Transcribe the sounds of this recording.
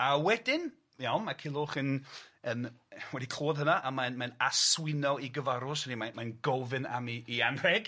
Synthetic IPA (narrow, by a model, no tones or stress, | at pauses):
awɛdɪn | jawnmakʰɪlˠʊːχənənwɛdikʰl̥oːðɦənaʔamanmanaswɪnɔiɡəvaɾʊsənimanmajnɡɔvɨna̰miːanrɛɡ̥